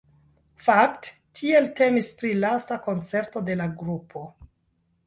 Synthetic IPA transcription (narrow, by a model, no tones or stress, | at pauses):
fakt | tʰie̞lte̞mispɾilastako̞nt͡se̞ɾto̞de̞laɡɾupʰo̞